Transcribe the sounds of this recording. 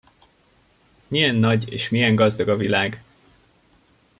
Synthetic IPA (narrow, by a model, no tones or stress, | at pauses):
mijɛnːɒɟḛːʃmijɛŋɡɒzd̪ɒɡɒvilaːɡ